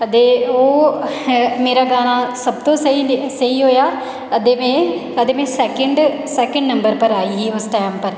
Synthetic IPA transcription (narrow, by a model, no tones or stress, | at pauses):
ət̪eːoː | meːɾaːɡaːnaːsəb̚t̪õːsəɦiːsəɦiːɦoːjaː | əd̪eːmẽːəd̪eːmɛ̃ːsɛːkəɳɖ | sɛːkə̃ɳɖnəmbəɾpəɾaːiːɦiːʊsʈɛːmpəɾ